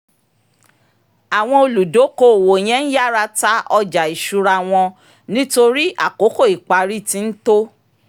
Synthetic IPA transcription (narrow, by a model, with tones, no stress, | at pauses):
a˨w̃ɔ̃˧o˧lu˨do˨˦ko˦˨wo˨j̃ɛ̃˦n̩˦ja˦˨ɾa˧ta˦ɔ˧d͡ʒa˨i˨ʃu˧ɾa˧˨w̃ɔ̃˧ | nĩ˦to˧ɾi˦a̰˦˨ko˨˦ko˦˨i˨k͡pa˨˦ɾi˦˨ti˧n̩˦to˦